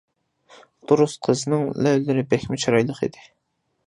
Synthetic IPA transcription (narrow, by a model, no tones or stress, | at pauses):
t̪ʰoɾusqʰəzɨnɨŋlæwlɪɾɪbɛxʲmɪt͡ʃʰɑɾɑjlˠəχḭd̪ɪ